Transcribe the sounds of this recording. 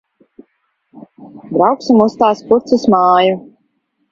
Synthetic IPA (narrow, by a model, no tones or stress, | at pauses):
d̪ɾawksumust̪aːspuɾt̪susmɑːju